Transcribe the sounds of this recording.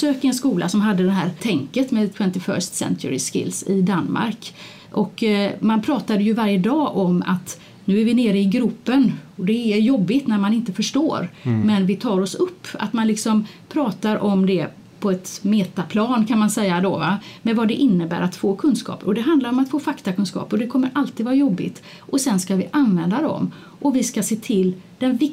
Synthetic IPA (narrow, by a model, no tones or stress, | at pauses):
søːkəɾɛnskuːlʔa̰sɔmɦad̪ːəd̪ɛnɦæːɾt̪ʰɛŋkət̪mɛd̪t̪ʰwɛnt̪ɪfœ̰ːʂt̪sɛ̰nt̪ʊ̰ɾɪskɪ̰lːsɪ̰d̪anːma̰ɾk | ʔɔkːmanpʰɾɑːt̪ad̪əjɵvaɾjəd̪ɑːʔɔma̰t̪ | nʉ̟ːæɾvɪneːɾəɪɡɾɵpːənɔd̪ɛːɾjɔbːɪt̪næɾmanɪnt̪əfœʂʈo̰ːɾmɛnvɪt̪ʰɑːɾɔsɵpːa̰t̪manlɪksɔmpʰɾɑːt̪aɾʔɔmd̪ɛ | pʰɔɛt̪meːt̪apʰlɑːnkʰanmansɛjːad̪ɔvamɛvɑd̪ɛʔɪnːəbæ̰ːɾat̪foːkʰɵnskɑ̰ːpɾɔd̪ɛɦand̪laɾɔmat̪foːfakt̪akɵnskɑ̰ːpɔd̪ɛkʰɔmːəɾʔalt̪iːd̪vɑːɾajɔbːɪ̰t̪ | ʔɔsɛnskavɪʔanvɛnd̪ad̪ɔ̰m | ʔɔvɪskaseːt̪ʰɪlːd̪̥ɛnvɪk